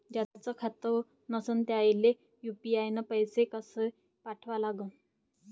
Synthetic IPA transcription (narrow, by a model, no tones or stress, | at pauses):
d͡ʑaat͡səkʰat̪ə | nəsənt̪eaile | jupiajnapəjsekəsə | paʈʰʋalaɡə